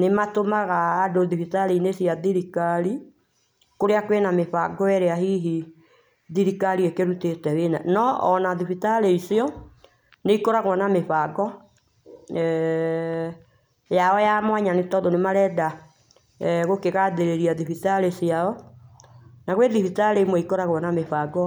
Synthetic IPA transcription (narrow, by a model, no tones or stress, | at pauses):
nematomaɣaːdoðifitaleinesjaðiɾikali | koɾeakwenameβaɡɔɛɾeaɦiɦi | ðiɾikaliekeɾutetɛwena̰nɔɔnaðifitaɾeisiɔ | neikɔɾaɣwanamefaɡɔ | ɛ | jaɔjamwaɲanetɔðonemaɾɛda | ɣokeɣaðeɾeɾiaðifitalesjaɔ | naɣweðifitaleimwɛikɔɾaɣwɔnamefaɡɔ